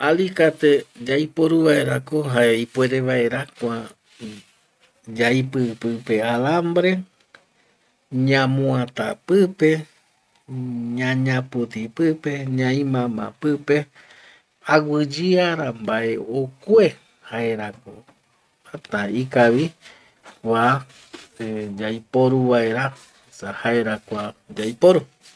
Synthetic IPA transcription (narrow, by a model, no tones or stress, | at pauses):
alikat̪ed͡ʒaipoɾuβaeɾakoɦaeipwe̞ɾeβae̞ɾakʷa | d͡ʒaipɨpɨpealambɾe̞ | ɲãmũãt̪a̰pɨpe | ɲãɲãput̪ipɨpe̞ɲãĩmãmã̰pɨpe̞ | awɨd͡ʒiaɾambaeokʷwe | haeɾako | at̪aikaʋi | wa | d͡ʒajpoɾuβae̞ɾa | esahaeɾakʷad͡ʒajpoɾu